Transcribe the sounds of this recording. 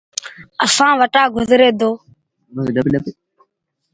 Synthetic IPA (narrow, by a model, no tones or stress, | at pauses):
əsãːʋəʈaːɡʊzɾeːd̪oː | əɗəpiɗəpi